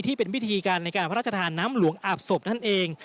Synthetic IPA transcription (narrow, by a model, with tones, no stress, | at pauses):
t̪ʰiː˥˩pe˧nwi˦˥t̪ʰiː˧kaː˧nːa˧jkaː˧npʰa˦ɾaː˥˩t͡ɕa˧t̪ʰaː˧nːaː˦˥mlu˩˦əŋʔaː˨˩p̚so˨˩p̚na˥˩nʔeː˧ŋ